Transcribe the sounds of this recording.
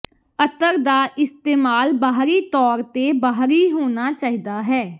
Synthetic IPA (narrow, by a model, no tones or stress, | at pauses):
ət̪əɾd̪aːʔɪst̪eːmaːlbaːɦɾiːt̪ɔːɾt̪eːbaɦɾiːɦoːnaːt͡ʃaːiːd̪aːɦɛː